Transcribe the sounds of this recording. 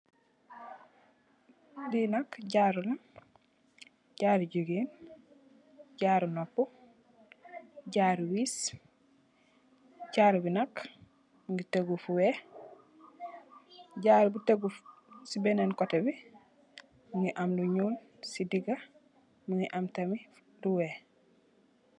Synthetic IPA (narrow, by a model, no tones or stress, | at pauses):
dinɐkɟaːɾulɐ | ɟaːɾɟuɡiːn | ɟaːɾnopːu | ɟaːɾwiːs | ɟaːɾbinɐk | muŋɡiteɡufuwe | ɟaːɾbuteɡufsibenenkɔtebi | muŋɡiʔamluɲuːl | sidiɡɐ | muŋɡiʔamtɐmi | duwe